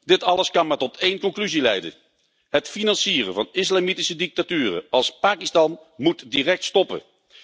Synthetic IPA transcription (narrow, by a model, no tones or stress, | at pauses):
d̥ɪtɑləskɑnmatɔtejnkɔnklyzilɛjdə̰ | ɦətfinɑnsiːrəvɑnɪslaːmitisədɪk̚tatyːɾə̰ɑlˠspaːkistɑnmutdiːrɛk̚tstɔpə̰